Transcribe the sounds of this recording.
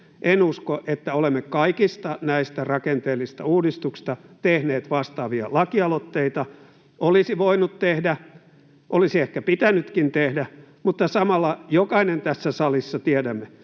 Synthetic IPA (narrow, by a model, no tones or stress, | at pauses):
ʔenuskoʔet̪ːæolemːekɑikist̪ɑnæist̪ærɑkent̪eːlːˑist̪ɑuːdist̪ukst̪ɑt̪ehneːt̪ʋɑst̪ɑːʋiɑ̰lɑkiɑlot̪ːeit̪ɑ | olisiʋoinut̪t̪ehdæ | ʔolisiehkæpit̪ænyt̪kint̪ehdæ | mut̪ːɑsɑmɑlːɑjokɑinent̪æsːæsɑlisːɑt̪iædæmːe